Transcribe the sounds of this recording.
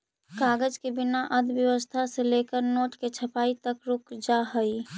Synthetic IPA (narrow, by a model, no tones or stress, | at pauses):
kaːɡəd͡ʒkibɪnaʔəd̪ʋjəʋəst̪ʰaseleːkəɾnoːʈket͡ʃʰəpaːit̪əkɾʊkd͡ʒaɦəi